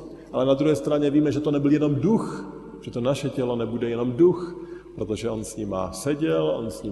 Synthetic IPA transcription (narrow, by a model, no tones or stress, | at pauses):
ʔalɛnad̪ɾuɦɛːst̪ɾaɲɛviːmɛʒɛt̪onɛbɪljɛno̞mdux | ʒ̥ɛt̪o̞naʃɛcɛlo̞nɛbudɛjɛno̞mduxpɾo̞t̪o̞ʒɛʔo̞nsɲima̰sɛɟɛlʔo̞̰nsɲi